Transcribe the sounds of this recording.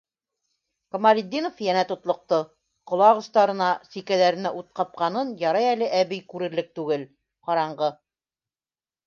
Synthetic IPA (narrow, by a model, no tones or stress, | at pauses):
kŏmalʲid̪ʲːinofjænæt̪ŏt̪lˠŏq̚t̪ɤ | qŏlˠɑʁɤ̆ʃt̪ɑɾɤ̆nɑsikælæɾɘ̆næʔut̪̚qɑp̚qɑnɤnjɑɾɑjælɘʔæβɘjkʉɾɘ̆ɾlɘk̚t̪ʉɡɘl | qɑɾɑɴɢɤ